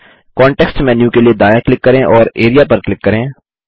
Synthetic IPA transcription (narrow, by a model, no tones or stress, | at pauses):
kɔ̃ːɳʈɛːksʈmɛ̃ːnjũkelied̪aːjaklɪkːɐɾẽʔɔːɾeːɾijapɐɾklɪkːɐɾẽː